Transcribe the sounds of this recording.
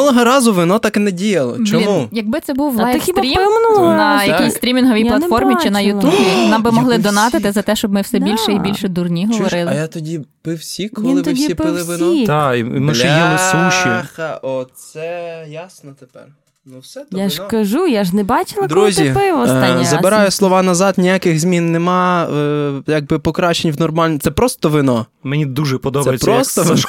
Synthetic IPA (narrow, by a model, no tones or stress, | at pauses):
ɔnˠɔɦɔɾɑzʊʋɪnɔt̪ɑknɛdʲijɐlˠɔ̰t͡ʃɔimujɐɡ̚bɪt̪sɛbuw̪ɐksiɾʲimnʊɔnɐjɐkʲijsst̪ɾʲimʲinɦɔʋʲijplˠɐfɔrmʲit͡ʃɪnɐjʊubʲinɑmbɪmɔɦlˠɪd̪ɔnɑt̪ɪt̪ɪzɐt̪ɛʃt͡ʃɔbmɪwsɛbʲilʲʃɛibʲilʲʃɛd̪urnʲiɦɔʋɔɾɪlˠɪjat̪ɔdʲipɪwsʲikɔʋlinˠɪt̪ɪdʲsiipɪlˠɪʋɪnt̪ɑimɪʒɛjilˠɪsuʃḭʔɔsɛjasnɔt̪epɛ̰r | nuwsɛt̪jaʃkɐʒujaʒnɛbɑt͡ʃɪlˠɐd̪ɾuzʲipɪʋɔaɐbɪɾɑjʊslˠɔʋɑnɐzɑd̪nʲijakɪɣzʲmʲinːemɑ | jaɡ̚bɪpɔkɾɑt͡ʃenʲwnɔrmɑlʲnt̪sɛpɾɔst̪ɔʋɪnɔ | mɛnʲid̪uʒɛpɔd̪ɔb̪ɐɛjɪpɾɔst̪ɔʋ